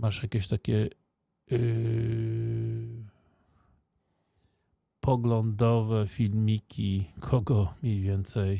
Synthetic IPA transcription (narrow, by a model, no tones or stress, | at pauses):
maʂjakʲɛɕt̪akʲɛ | pʰɔɡlɔnd̪ɔvɛfʲilmʲikʲʰikʰɔɡɔmʲjejvʲjɛnt̪sɛj